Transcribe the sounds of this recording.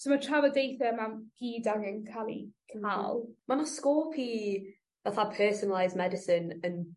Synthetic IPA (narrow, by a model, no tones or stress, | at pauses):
somatʰravɔdejθəmamɡ̥iːdaɡənkʰalˠḭkʰəma̰lˠmanaskɔːlˠpʰiː | ðaθapʰɜːsənəlˠajzmɛdɪsɪnə̃n